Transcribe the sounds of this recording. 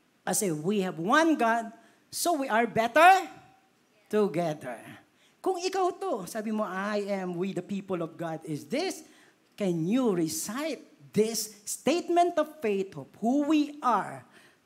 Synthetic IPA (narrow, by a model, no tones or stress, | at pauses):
kɐsɛwihɛvwɐ̃nɡad̪̚ | sowiʔɐɹbɛt̪əɹ | t̪ʊɡɛðɛ̰ɹ | kʊŋɪkawt̪osaːbɪmoʔajʔɛ̃mwid̪ɐpipəlɔvɡad̪ɪsd̪ɪs | kɛ̃njuɹɪsajt̪̚d̪ɪsːt̪eɪt̪̚mɛ̃nt̪ɔv̥feɪt̪hophuwiʔaɹ